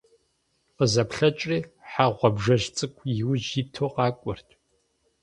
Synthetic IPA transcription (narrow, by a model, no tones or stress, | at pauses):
qəzɐpɬɐt͡ʃʼriːħaʁʷɔbʐɐʒt͡sʼɨkʷʰjɪwʒitʰoːqɑːkʷʼʊrtʰʼ